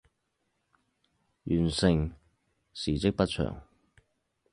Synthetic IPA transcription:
jyː˨˩nsɪ˨ŋ | siː˨˩t͡sɪ˥k̚pɐ˥t̚t͡ʃʰœ̰ː˨˩ŋ

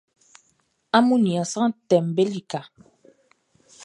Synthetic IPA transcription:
a˦mu˦ni˨a˨sa˦ŋ˦tɛ˨m˨be˦li˦˨ka˨

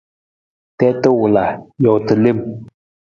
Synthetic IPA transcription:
t̪ɛ˥˨t̪ə˥˨wo˩˨la˨jo˩˨t̪ə˨le˥˨m̚

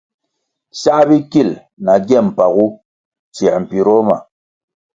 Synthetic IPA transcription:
sa˦ʔbi˦ki˦˨l | na˨ɡɛ˦˨m̩˨pa˨ɣu˦ | t͡ʃɛ˨m̩˨pi˨ɾɔ˦ma̰˨

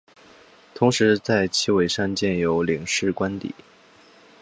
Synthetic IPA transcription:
t̪ʰʊ˧˥ŋʂɻ̩˧˥t͡sa˥˩ɪt͡ɕʰi˥˩we˨˩ɪʂa˥˧nt͡ɕjɛ˥˩njo˧˥ʊli˨˩ŋʂɻ̩˥˩kwa˥nt̪ḭ˨˩˦

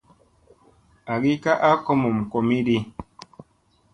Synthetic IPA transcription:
a˨ɡi˦ka˦ʔa˦ko˦mo˨m̩˨ko˨mi˦di˦

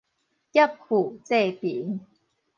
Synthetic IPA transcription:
kja˥˩p̚ku˨˩t͡se˥˧˨pi˨˩˦ŋ

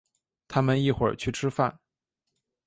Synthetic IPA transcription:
t̪ʰa˥mə˨ni˥˩xwə̰˞˨˩t͡ɕʰy˥˩ʈ͡ʂʰɻ̩˥fa̰˥˩n

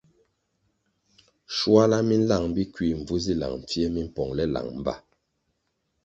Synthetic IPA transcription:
ʃwa˦la˦mi˦n̩˦la˦˨ŋbi˦kwi˦˨m̩˨b͡vu˦zi˦la̰˨ŋm˨p͡fjɛ˦mi˦m̩˦pɔ˨ŋlɛ˦la̰˨ŋm̩˨ba̰˦˨

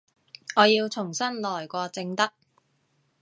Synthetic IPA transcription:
ɔː˨˧jiː˧wt͡sʰʊ˨˩ŋsɐ˥nlɔː˨˩jkʷɔː˧t͡sɪ˧ŋt̪ɐ˥k̚

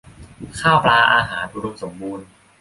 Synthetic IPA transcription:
kʰaː˥˩wplaː˧ʔaː˧ɦaː˩˦nu˧ɾu˧mso˩˦mbuː˧n

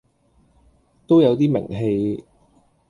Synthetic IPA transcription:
t̪o˥wjɐ˨˧wt̪iː˥mɪ̰˨˩ŋɦe˧j

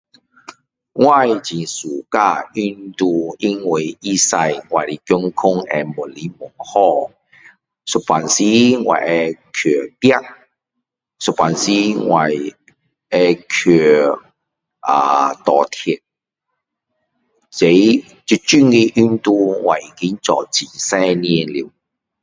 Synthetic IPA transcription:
ŋwa˥˧˨jt͡ɕĩ˨˩su˨˩ka˧y˧nt̪u˧i˦˥ŋwe˨˩i˦˧sa˧jŋwa˨˩li˨˩kjɔ˧ŋkʰʊ˥ŋɛ̰˧mʊ˨˩nli˨˦mʊ˨˩ŋhɔ˧ | sʊ˨˩pa˨nsi˦ŋwa̰˨˩jʔɛ˧kʰø˨˩pja˦ʔ̚ | sʊ˨pa˨nsi˦ŋwa˨j | ɛ˧kʰy˨˩ | ʔaː˨t̪ɔː˨˩t̪ʰi˨˩t̚ | t͡se˨˧˦j | t͡sy˧t͡ʃy˥ŋki˧ʔy˥nt̪uː˧wʔa˨˩jki˨˦˥nt͡sɔ̰˨˩t͡si˨˩nsɛ˥˧˥ni˧˥ɛ˧li˨˩w

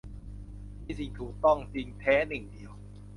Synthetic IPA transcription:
iː˧˥˩si˧˩ŋt̪ʰuː˨˩k̚t̪ɔ˥˩ŋt͡ɕi˧ŋt̪ʰɛː˦˥nɯ˨˩ŋdi˨˧əw

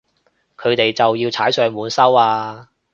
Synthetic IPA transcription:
kʰɵ˨˧ɥt̪e˨jt͡sɐ˨wjiː˧wt͡sʰaː˨˥jsœː˨˧ŋmuː˨˧nsɐ˥waː˧

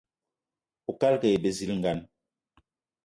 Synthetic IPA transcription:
o˨ka˦lke˨je˨be˨zi˦lŋ̩˨ɡa˦n

